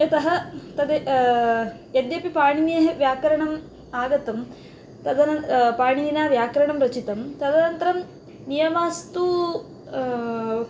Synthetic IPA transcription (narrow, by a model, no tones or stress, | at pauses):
ɐt̪ɐɦɐt̪ɐd̪e | ed̪jɐpipaːɳineɦɐʋjaːkɐɾɐɳɐm | aːɡɐt̪ɐm | t̪ɐd̪ɐnɐpaːɳininaːʋjaːkɐɾɐɳɐmɾɐt͡ʃit̪ɐmt̪ɐd̪ɐnɐnt̪ɐɾɐm | nijɐmaːst̪u